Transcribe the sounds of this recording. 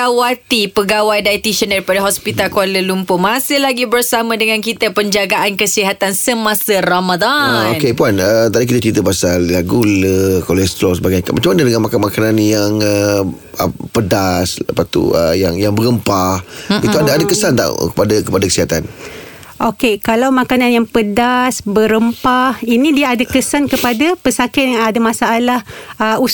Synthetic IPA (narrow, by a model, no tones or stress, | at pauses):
awat̪ipəɡawajdait̪iʃəndaɾipadaɦɔspit̪alkualəlumpʊmasɪhlaɡibərsamãdəŋãnkit̪əpəɲd͡ʒaɡaʔankəsiɦat̪ansəmãsəramad̪aokepuanət̪adikit̪at͡ʃɾit̪̬əpasallaɡuləkolɛst̪ɾɔsəbaɡajɲakamʔat͡ʃamanadəŋanmakanmakananjaŋə | əpədasla̰pat̪ṵə̰jaŋjaŋbəɾəmpahit̪uadaadakəsant̪a̰ʔkəpadakəpadakə̥siɦat̪an | ʔokekalawmakananjaŋpədasbəɾəmpahinĩdiaadakəsankəpadapəsakɪt̪adamasaːlahəu